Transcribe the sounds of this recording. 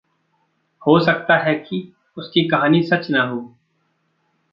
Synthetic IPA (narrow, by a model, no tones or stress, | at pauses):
hoːsɐk̚t̪aɦɛki | ʊskikɐɦaːnisɐt͡ʃnaɦoː